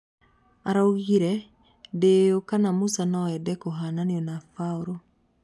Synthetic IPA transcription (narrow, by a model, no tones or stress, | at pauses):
aɾauɣiɾɛ | dejokanamusanɔɛdɛkoɦananiɔnafaoɾo